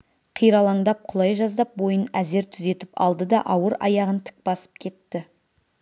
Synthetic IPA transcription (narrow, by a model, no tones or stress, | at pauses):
qʰijɾɑlˠɑɴd̪ɑp̚qʰʊlˠɑjʒɑzd̪ɑp̚bo̞jənæze̞ɾt̪ʰʏze̞t̪ɪpɑ̰lˠd̪əd̪ɑʔɑwəɾɑ̰jɑʁənt̪ʰɪ̥k̚bɑsə̥p̚kʲʰe̞t̪ːɪ